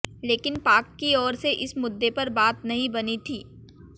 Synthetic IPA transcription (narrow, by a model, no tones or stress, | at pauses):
leːkɪnpaːkːiɔːɾseʔɪsmʊd̪ːepɐɾbaːt̪nɐɦĩbɐnit̪ʰiː